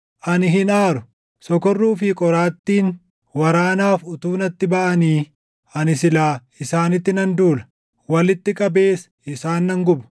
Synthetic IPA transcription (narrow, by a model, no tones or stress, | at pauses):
ʔɐnɪɦɪnaːɾʊ | sɔkɔrːuːfɪkʼɔɾaːt̪ːiːn | wɐɾaːnaːfʊt̪uːnɐt̪ːɪbɐʔɐniː | ʔɐnɪsɪlaː | ɪsaːnɪt̪ːɪnɐnd̪uːlɐ̥ | wɐlɪt̪ːɪkʼɐbeːs | ɪsaːnːɐŋɡʊbɐ̥